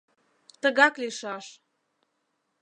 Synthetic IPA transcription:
t̪əɣɑkliʃɑʃ

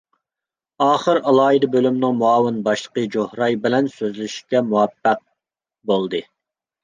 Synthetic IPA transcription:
ɑːχəɾɑlˠɑːid̪ɑbølymnɨŋmuɑːwɨnbɑʃlˠə̥qəd͡ʒohɾɑjbɪlɛnsøzlɪʃkʲɛmuwɛpːæq̚ | bolˠd̪ɨ

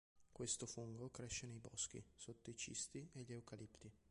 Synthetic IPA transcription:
kwest̪ofuŋɡokɾeʃːenejbɔsk̟ḭsot̪ːoit͡ʃḭst̪ieʎeukalipt̪i

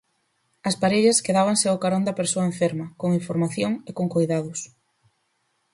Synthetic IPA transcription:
ɐspaɾeʎɐskeðaβ̞aŋseaʊkaɾond̪ɐpeɾsoɐẽɱfeɾmɐkoŋiɱfoɾmaθjoŋekoŋkojðaðʊs

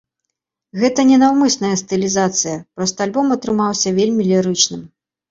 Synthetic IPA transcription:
ɣɛt̪ɐnʲɛnawmɨsnɐjɐst̪ɨlʲizat̪sɨjɐpɾɔst̪ɔalʲbɔmɐt̪ɾɨmawsʲɐvʲelʲmʲilʲiɾɨt͡ʂnɨm

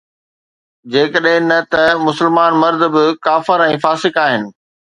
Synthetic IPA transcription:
d͡ʑeːkəɗɦɪ̃nɐt̪ɐmʊsəlmaːnmɐɾd̪̆ʱbɪkaːfɪɾɛ̃ːfaːsɪkaːɦɪnɪ̆

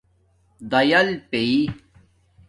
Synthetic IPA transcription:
d̪ɐjɐlpei

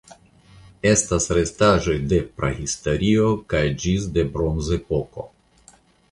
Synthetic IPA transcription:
e̞stasɾe̞staʒo̞jde̞pɾahistoɾiokajd͡ʒisde̞bɾonzepo̞ko̞̰

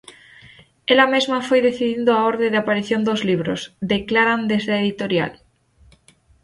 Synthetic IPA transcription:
elamezmafojðeθiðind̪oaoɾðeðapaɾiθjond̪ozliβ̞ɾo̰zd̪eklaɾand̪ezðaeðit̪oɾja̰l

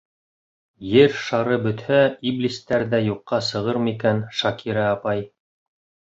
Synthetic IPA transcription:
jɘɾʃɑɾɤbɵ̆t̪hæiblist̪æɾðæjuqːɑsɤ̆ʁɤɾmɤikænʃɑkʰiɾæːpɑj

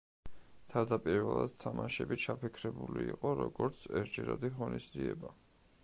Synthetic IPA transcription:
t̪ʰad̪apʼiɾvɛlˠad̪̥̚t̪ʰamaʃɛbit͡ʃʰapʰikʰɾɛbuliiqʼɔɾɔɡɔɾt̪sʰɛɾd͡ʒɛɾad̪iʁɔnisd̪ziɛba

